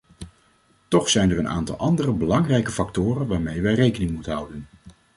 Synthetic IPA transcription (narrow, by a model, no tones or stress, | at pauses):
tɔχsɛjnərəna̰ːntɑ̰lˠʔɑndərəbəlɑŋrɛjkəfɑktʊːrənʋaːɹmejʋɛrejkənɪŋmutənɦʌwdən